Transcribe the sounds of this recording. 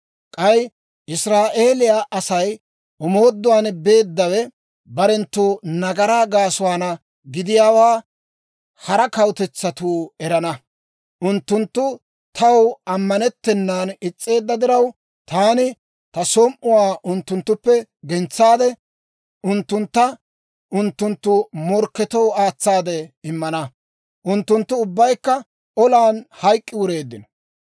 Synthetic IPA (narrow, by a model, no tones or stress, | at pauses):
kʼɐj | ʔɪsɾaːʔe̞ːlɪjaːʔɐsɐj | ʊmoːd̪ːʊwaːnbe̞ːd̪ːɐwɛ | bɐɾɛnt̪ːuːnɐɡɐɾaɡaːsʊwaːnɐ | ɡɪd̪ɪjaːwaː | hɐɾɐkɐwt̪ɛt͡sːɐt̪uːɛɾɐnɐ | ʔʊnt̪ːʊnt̪ːʊ | t̪ʰɐwɐmːɐnɛt̪ːɛnːaːnɪt͡sʼːe̞ːd̪ːɐd̪ɪɾɐw | t̪aːnɪ | t̪ɐsɔmʔʊwaːʔʊnt̪ːʊnt̪ːʊpːɛɡɛnt͡sːaːd̪ɛ | ʔʊnt̪ːʊnt̪ːɐ | ʔʊnt̪ːʊnt̪ːʊmɔɾkːɛt̪ɔwaːt͡sːaːd̪ɛɪmːɐnɐ | ʔʊnt̪ːʊnt̪ːʊʊbːɐjkːɐ | ɔlaːnhɐjkʼːɪwʊɾe̞ːd̪ːɪnɔ